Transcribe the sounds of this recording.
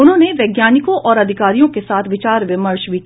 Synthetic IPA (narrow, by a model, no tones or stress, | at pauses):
ʊnɦõːneʋɛːɡjaːnɪkõʔɔːɾɐd̪ʱɪkaːɾijõkesaːt̪ʰʋɪt͡ʃaːɾʋɪməɾʃʋi